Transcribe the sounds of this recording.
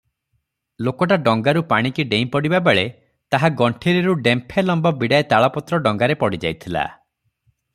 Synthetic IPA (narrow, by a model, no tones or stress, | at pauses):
lokɔʈaɖɔŋɡaɾupaɽ̃ikiɖejmpɔɽibabeɭe | t̪aɦaɡɔɳʈʰeɾiɾuɖempʰelɔmbɔbiɽaet̪aɭɔpɔt̪ɾɔɖɔŋɡaɾepɔɽid͡ʒa̰jt̪ʰila̰